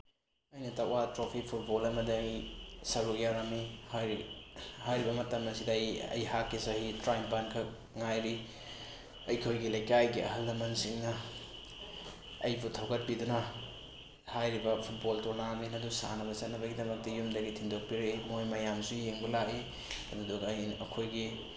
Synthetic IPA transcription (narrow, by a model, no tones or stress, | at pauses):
ɐjnɐtawatɾopʰipʰut̚bolɐmɐdiɐjsɐɾuk̚jaɾɐmihj | hajɾibɐmɐtɐmɐsidɐjɐ̰jhakːisahitɾajmpankʰɐ | ŋajɾi | ɐjkʰojɡilɐjkajɡiʔɐ̰ɦɐldɐmɐnsiŋnɐ | ɐjbutʰɐwɡɐt̚pidunɐ | hajɾibɐpʰut̚boltonaminɐdusa̰nɐbɐt͡ʃɐt̚nɐbɐɡidɐmɐk̚tɐjumdɐɡitʰiŋdok̚piɾimojmɐjamsujeŋbɐlaʔi | ɐdudukɐjɐkʰojɡi